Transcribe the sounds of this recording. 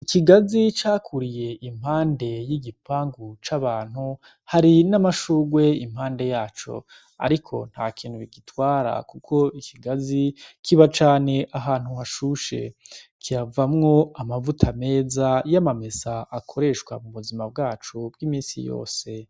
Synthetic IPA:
ikiɡazit͡ʃakʰuɾije̞ʔim̥haːnde̞jiɡipaːŋɡut͡ʃaβaːn̥hu | haɾinamaʃuːɡwe̞imhaːnde̞jaːt͡ʃo̞̰ | a̰ɾikʰo̞n̥haːkʰiːn̥huβiɡitwaːɾa̰kukʰo̞ikʰiɡazikʰiβat͡ʃaːne̞ʔaɦaːn̥huhaʃuʃe̞kʰiɾavamŋo̞amavutʰame̞ːzajamamezaʔːkʰo̞ɾe̞ʃkwamuβuzimab̚ɡaːt͡ʃub̚ɡiːmiːnsḭjo̰ːse̞

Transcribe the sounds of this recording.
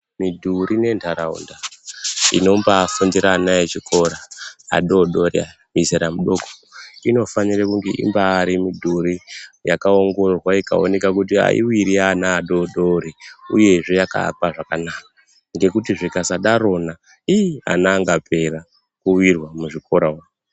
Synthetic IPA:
midʱuɾine̞ntʰaɾaṵnda | ḭno̞mbafundiɾaːnaet͡ʃiko̞ɾaa̰ɗo̞ɗo̞ɾia̰ | mizeɾamuɗo̞ko̥ino̞fanirekuŋɡeʔḭmbaːɾimidʱuɾijakao̞ŋɡo̞rwaika̰o̞̰ne̞kakutia̰ḭwiɾianaːɗo̞ɗo̞ɾiuje̞ʐe̞jaka̰kwaʐakanaka | ŋɡe̞kutiʐikasaɗaɾo̞na | iia̰naŋɡapʰe̞ra | kuwirwamuʐiko̞ɾawao

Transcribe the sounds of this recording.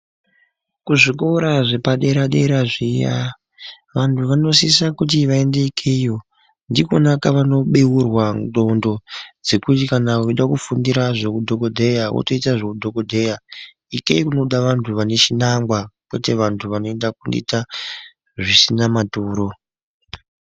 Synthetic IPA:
kuʐik̬oɾaʐe̞paɗe̞ɾaɗeɾaʐija̰ | ʋantʰuʋano̞sisakutiʋaende̞ikʰejo̞ | ndikonakaʋano̞ɓewurwando̞ndo̞d͡ze̞kutikanawoiɗakufundiɾaʐokudʱo̞ko̞dʱe̞jawo̰toitaʐokudʱo̞ko̞dʱe̞ja | ikeikuno̞ɗaʋantʰuʋane̞t͡ʃinaŋɡwakwe̞̰te̞ʋantʰuʋano̞e̞ndakundḭta | ʐisinamatuːɾo̞

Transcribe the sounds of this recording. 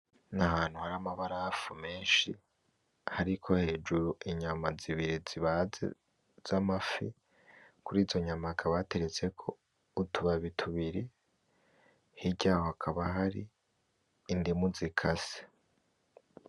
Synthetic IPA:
naɦaːn̥huhaɾamaβaɾafume̞ːnʃi | haɾikʰo̞he̞ːd͡ʒuɾuʔiɲamaziβiɾiziβazḛ | z̥amafḭ | kuɾiːzo̞ɲamakʰaβate̞ɾe̞t͡se̞kʰo̞ | utʰuβaβitʰuβiɾi | hiɟaːhohakʰaβaɦaɾiː | ndimuzikʰase̥

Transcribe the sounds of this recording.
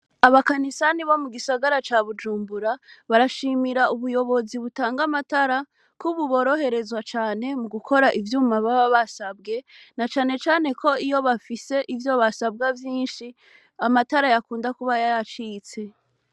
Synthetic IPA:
aβakanisaniβo̞muɡisaɡaɾat͡ʃaβud͡ʒuːmbuɾaβaɾaʃimiɾaʔuβujo̞βo̞ziβutaːŋɡamataɾa | kuβuβo̞ːɾo̞he̞ɾe̞zwat͡ʃaːne̞muɡukʰo̞ɾaʔivjuːmaβaβaβasabɡe̞ | nat͡ʃaːne̞t͡ʃaːne̞kʰo̞ijo̞βafise̞ʔivjo̞βasab̚ɡavjiːnʃi | amataɾajakuːndakuβajajat͡ʃit͡se̞

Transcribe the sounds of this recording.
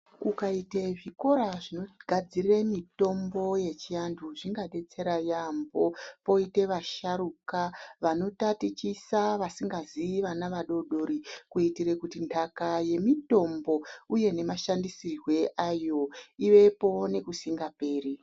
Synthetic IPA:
kukaiteʐiko̞ɾaʐino̞ɡʱad͡zirremito̞mbo̞je̞t͡ʃianduʐiŋɡaɗe̞t͡se̞ɾajambo̞po̞ite̞ʋaʃaɾukaʋano̞tatit͡ʃisaʋasiŋɡaziʋanaʋaɗo̞ɗo̞ɾikuitiɾe̞kutindʰʱakaje̞mito̞mbo̞uje̞ne̞maʃandisirwe̞ʔajo̞iʋe̞po̞ne̞kusiŋɡape̞ːri

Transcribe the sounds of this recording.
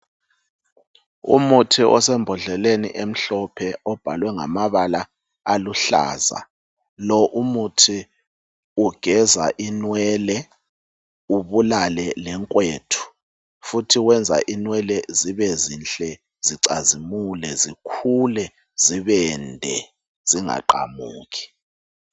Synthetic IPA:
ṵmutʰiʔɔ̰sɛmbʱɔɮɛlenḭʔem̩ɬɔpʰɛɔb̥ʱalwɛŋa̰maβala | aluɬa̰ːza̰ | lɔʔumutʰi | uɡ̥ʱɛza̰ʔinwɛlɛ | uβulalɛlɛŋkʼweːtʰu̥ | futʰiwɛnd͡zʱa̰ʔinwɛlɛziβɛzinɬʼɛ | ziǀazimulɛzikʰulɛ | ziβɛndʱɛ | ziŋa̰ǃa̰muːki̥

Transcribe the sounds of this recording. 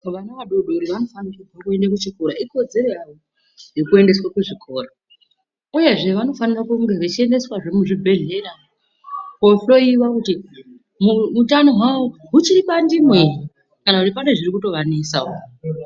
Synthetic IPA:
ʋanaʋaɗoɗoɾiʋano̞fanikid͡zakue̞ndakut͡ʃikuɾaiko̞d͡ze̞ɾo̞jaʋo | je̞kue̞nde̞swakuʐikʰo̞ːro | uje̞ʐe̞ʋano̞fanirakuŋɡe̞ʋet͡ʃie̞nde̞swaʐe̞muʐibʱe̞ɮe̞ra | ko̞ɬo̞iwakuti | muutano̞ɦwawo̞ɦut͡ʃiɾipandimwei | kanakutipane̞ʐirikuto̞ʋanisao

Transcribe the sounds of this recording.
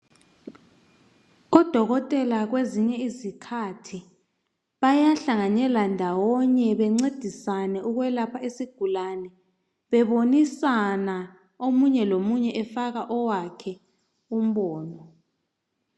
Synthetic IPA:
ɣɔd̥ʱɔɣɔtʼɛlaɣweziɲɛizikʰatʰi | βajaɬaŋanɛlandʱawɔɲɛβɛŋ͡ǀed̥ʱisanɛuɣwɛlapʰaesiɡ̥ʱulanɛ | βɛβonisana | omuɲɛlomuɲɛʔɛfaɣaʔɔwakʰɛ | um̩ɓɔːnɔ

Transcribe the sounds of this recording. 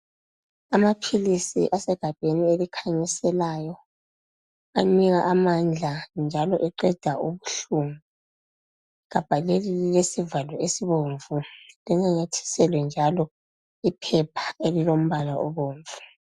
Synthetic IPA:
amapʰilisḭʔasɛɡ̥ʱab̥ʱenielikʰaɲisɛlajɔ | amiɣaʔamand͡ɮʱand͡ʒʱalɔʔɛǃɛd̥ʱaʔuβuɬumu | ɣab̥ʱalelililesivalɔesiβoɱvulɛŋaɲetʰi̥sɛlwɛnd͡ʒʱalɔ | ipʰɛpʰḁelilom̩βalaʔɔ̰βoːɱvu̥

